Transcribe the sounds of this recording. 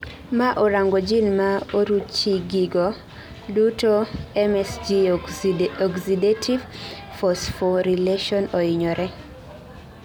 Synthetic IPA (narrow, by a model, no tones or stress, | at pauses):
maʔoɾaŋɡɔd͡ʒinmaoɾut͡ʃiɡiɡɔ | dutoɛmɛsd͡ʒi | ɔɡsidetʰiv | fɔsfɔɾileʃɔnoɪɲɔɾɛ